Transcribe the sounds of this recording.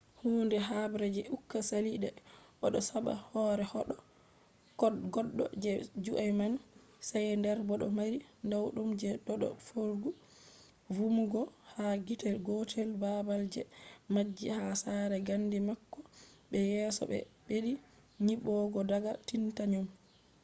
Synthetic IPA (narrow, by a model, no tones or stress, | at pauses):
huːndɛɦabɾɛd͡ʒɛʔukːasaliɗɛʔɔɗɔsaɓa̰hɔɾɛhɔɗɔ | kɔɗɡɔɗːɔ̰d͡ʒɛd͡ʒuʔajman | sajndɛɾbɔɗɔ̰maɾindawɗumd͡ʒɛɗɔɗɔ̰foɾɡu | vumuɡɔhaɡitɛɡɔtʰɛlbabald͡ʒɛmad͡ʒːihasaɾɛɡandimakːɔ | ɓɛjɛːsɔ̰ɓɛ̰ɓeɗi | ɲiɓɔɡɔdaɡatintaɲum